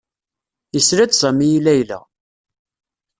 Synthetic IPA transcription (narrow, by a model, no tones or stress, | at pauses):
jəsɾæt͡ssæmijilæjlæ̰